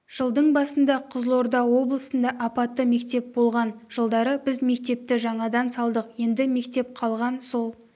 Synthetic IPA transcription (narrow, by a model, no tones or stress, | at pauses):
ʒ̥əlˠd̪əɴbɑsənd̪ɑqʰʊzlˠo̞ɾd̪ɑwo̞blˠəsənd̪ɑʔɑpɑt̪ːəme̞kt̪e̞p̚bo̞lˠʁɑnʒ̥əlˠd̪ɑɾəbɪzme̞k̚t̪e̞p̚t̪ɪʒɑɴɑd̪ɑnsɑlˠd̪əqje̞nd̪ɪme̞kt̪e̞p̚qʰɑlˠʁɑnso̞lˠ